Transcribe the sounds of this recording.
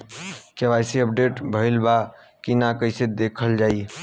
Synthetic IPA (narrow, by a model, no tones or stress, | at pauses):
keβajseəp̚ɖeʈbʱəɪlba | kinakəɪsed̪ekʰəld͡ʒai